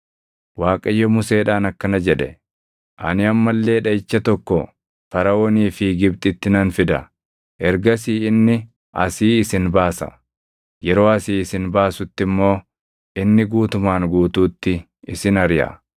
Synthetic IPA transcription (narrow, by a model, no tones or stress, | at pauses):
waːkʼɐjːɔmʊse̞ːᶑaːnɐkːɐnɐd͡ʒɛᶑɛ̰ | ʔɐ̰nɪɐmːɐlːe̞ːᶑɐɪt͡ʃːɐt̪ɔkːɔ | fɐɾɐwoniːfɪɡɪbt̪ʼɪt̪ːɪnɐnfɪd̪ɐ | ʔɛɾɡɐs̬iːɪnːɪ | ʔɐsiːɪsɪnbaːsɐ̰ | jɛɾo̞ːɐsiːɪsɪnbaːsʊt̪ːɪmːo̞ː | ʔɪnːɪɡuːt̪ʊmaːŋɡuːt̪uːt̪ːɪ | ɪsɪnɐɾjɐ̰